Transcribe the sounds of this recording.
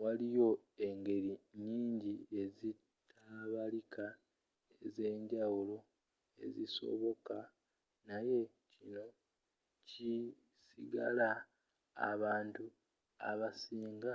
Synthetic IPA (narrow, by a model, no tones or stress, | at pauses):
walijo̞e̞ŋɡe̞ɾiɲiːɲɟie̞zi | tʰaβalikʰa | eze̞ːɲɟawulo̞ | e̞̰ziso̞̰βo̞ka | naje̞ | cino̞ | ci | siɡa̰la̰ː | βaːntu | a̰βasiːŋɡa